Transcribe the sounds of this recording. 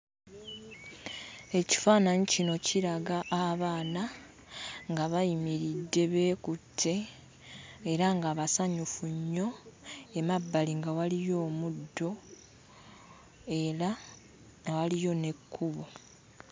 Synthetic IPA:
e̞ci̥faːnaɲicino̞ciɾaɡaʔːβaːna | ŋɡaβajimiɾidːe̞βe̞ːkutʰːe̞ | ɾaŋɡaβasaɲufuɲːo̞e̞mabːaliŋɡawalijo̞ːmudːo̞ | eɾa | walijo̞ne̞kʰːuβo

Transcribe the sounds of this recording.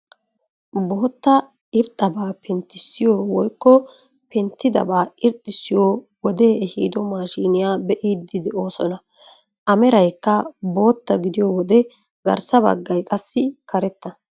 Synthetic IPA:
boːt̪ːɐ | ɪɾt̪ʼːɐbaːpʰɛnt̪ːɪsːɪjoːwɔjkːɔ | pɛnt̪ːɪd̪ɐ̰baːɪɾt̪ʼːɪsɪjoː | wɔd̪e̞ːɛhiːd̪ɔmaːʃiːnɪjaːbɛʔid̪ːɪd̪ɛo̞ːsɔnɐ | ʔɐmɛɾɐjkːɐbo̞ːt̪ːɐɡɪd̪ɪjoːwɔd̪ɛ | ɡɐ̰ɾsɐbɐ̰ɡːɐjkʼɐsːɪkʰɐɾɛt̪ːɐ

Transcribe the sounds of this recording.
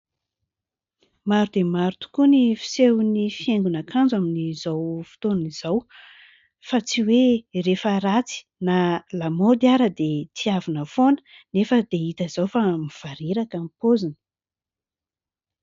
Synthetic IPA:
maɾud̪emaɾut̪u̥kunifi̥sewnifieŋɡunakʰand͡zaminizawfu̥t̪onuniz̥aw | fat͡siwerefəɾat͡si̥nalamod̪iaɾəd̪et̪iavinəfonə̥ | nefəd̪̥eit̪əz̥awfamiv̥aɾeɾakampozinə̥

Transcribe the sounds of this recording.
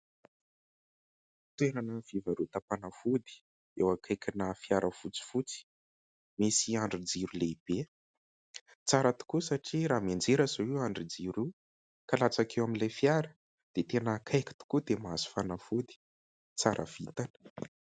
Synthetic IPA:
t̪ueɾanəvivaɾut̪apanafud̪i̥ | ewakʰajkʲinafiaɾʔəfut͡si̥fut͡si̥ | misiaɳɖ͡ʐid͡ziɾuleib̥e | t͡saɾət̪u̥kusaʈ͡ʂiɾamand͡ʒeɾazoiwaɳɖ͡ʐid͡ziɾu | kalat͡sakewaminlajfiaɾə | d̪̥et̪enaːkʰajkʲi̥t̪u̥kud̪emazi̥fanafud̪i̥ | t͡saɾə̰v̥it̪anə̥

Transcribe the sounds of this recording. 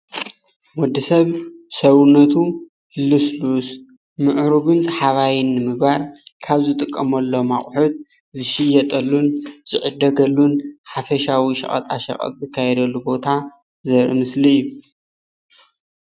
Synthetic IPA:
mɔd̪isɐβsɐwnːɐt̪ʰu | luslus | mɨʔɾuɡunzħaβajinːɨmɨɡbaɾkʰaβzɨt̪ʼɨkʼːɐmɐlːo̞maχʼħut̪̚ | zɨʃɪjːɐt̪ʼɐlːunz̥ɨʕʊd̪ɐɡɐlːunħafɐʃawiʃɐ̰χʼɐ̰t̪ʼa̰ʃɐ̰χʼɐ̰t̪ʼzɨkʰːajɛd̪ɐlːubo̞t̪ʰa | zɐɾɨ̰mɨsliɨjːu

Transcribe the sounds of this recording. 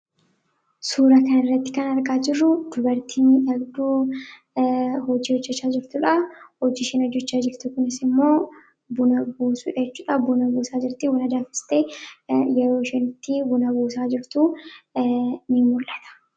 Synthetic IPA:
suːɾɐkɐnɪrːɐt̪ːɪ̥kɐnɐɾkʼaːd͡ʒɪrːʊd̪̥ʊbɐɾt̪ʰiːnᶑɐɡd̪uː | hɔd͡ʒːiːɔd͡ʒːɛt͡ʃːaːd͡ʒɪɾt̪ʊᶑɐhɔd͡ʒːiːʃɛnɔd͡ʒːɛt͡ʃːaːd͡ʒɪɾt̪ʊkʊnɪsɪmːo̞ː | bʊnɐbuːsuːᶑɐd͡ʒɛt͡ʃːuːᶑɐbʊnɐbuːsaːd͡ʒɪɾt̪ɪwɐnɐd̪aːfɪ̥st̪eːjɛɾo̞ːʃɛnɪt̪ːɪbʊnɐbuːsaːd͡ʒɪɾt̪u | nɪmʊlʔɐt̪ɐ̥

